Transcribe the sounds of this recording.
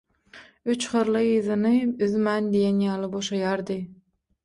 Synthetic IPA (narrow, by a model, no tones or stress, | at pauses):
yt͡ʃχɯɾlˠɨjɯzɯnɯyðmænd̪ijenjɑːlˠɯboʃɑjɑɾd̪ɨ